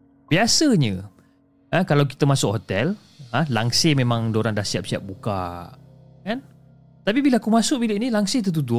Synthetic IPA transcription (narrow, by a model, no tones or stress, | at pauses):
b̥iasəɲə | ãkalawk̬i̥t̪əmasʊk̚ɦot̪ɛl | ãlaŋsemẽmãŋdoɾaŋdasiap̚siap̚buka̰ | kan | t̪ap̬ibilaakumasʊk̚bileʔnilaŋset̪̬ət̪̬ud̪ʊ